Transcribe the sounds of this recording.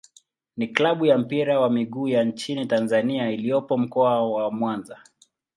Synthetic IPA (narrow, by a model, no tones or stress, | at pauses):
niklaɓujam̩piɾawamiɠuːjant͡ʃinitanzaniailijɔpɔm̩kɔawamwanza